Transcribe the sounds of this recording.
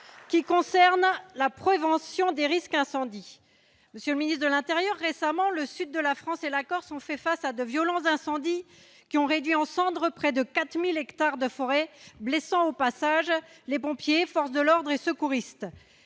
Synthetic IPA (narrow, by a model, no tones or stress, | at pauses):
kʲikɔ̃sɛʁnlapχevɑ̃sjɔ̃d̪eʁiskɛ̃sɑ̃d̪i | məsjələminist̪χd̪əlɛ̃t̪eʁjœʁːesamɑ̃ləsyd̪ːəlafχɑ̃selakɔʁsɔ̃fɛfasad̪əvjɔlɑ̃t̪zɛ̃sɑ̃d̪i | kʲiɔ̃ʁed̪ɥiɑ̃sɑ̃d̪ʁəpχɛd̪əkat̪χmilɛkt̪aʁd̪əfɔʁɛblesɑ̃opasaʒlepɔ̃pjefɔʁsd̪əlɔʁd̪ʁesəkuʁist̪